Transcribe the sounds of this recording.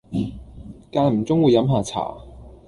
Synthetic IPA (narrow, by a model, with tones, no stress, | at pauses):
kaː˧nm̩˨˩t͡sʊ˥ŋwu˨˧jːɐ˨˥mɦaː˨˧t͡sʰa̰ː˨˩